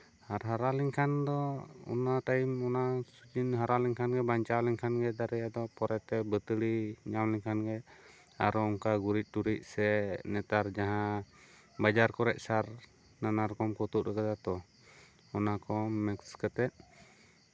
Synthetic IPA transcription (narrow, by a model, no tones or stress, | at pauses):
haɾɦaɾaliŋkʰand̪ɔɔ̰nat̪aimɔnasud͡ʒinɦaɾaliŋkʰanɡɛbaɲt͡ʃawliŋkʰanɡɛd̪aɾɛjad̪ɔpɔɾɛt̪ɛbət̪əɽiɲamliŋkʰanɡɛ | a̰ɾɔɔŋkaɡuɾit̪̚ˀʈuɾit̪̚ˀsɛnɛt̪aɾd͡ʒaɦã | bad͡ʒaɾkɔɾɛʔ̚saɾ | nanaɾkɔmkɔt̪uʔɾɛkad̪at̪ɔ | ɔnakɔmːɛkskət̪ɛt̪̚